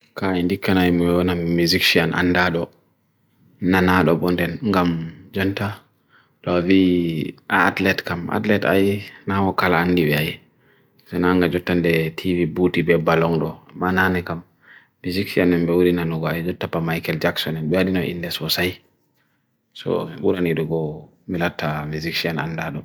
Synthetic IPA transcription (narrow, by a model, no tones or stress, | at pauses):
kaɛndikːanajimɔɛwanamuzikʃianʔa̰nːdaɗɔ | nanaɗɔɓɔndɛnŋɡamd͡ʒɔnta | ɗɔvi | aːtlɛtkama̰tlɛta̰jnawɔkalaːnːdiɓɛaj | sɛnaŋɡad͡ʒɔtːandɛtʰivibutibɛbalɔŋɗɔmananɛkamː | iziksianɛmbɛwuɾinanuɡɔajd͡ʒɔtːapamajkɛld͡ʒaksɔnɛnɓɛwaɗinɔʔḭnːdɛswɔsaj | sɔ̰miɓuɾaniɗɔɡɔ | milatʰːamiziksiana̰nːdaɗɔ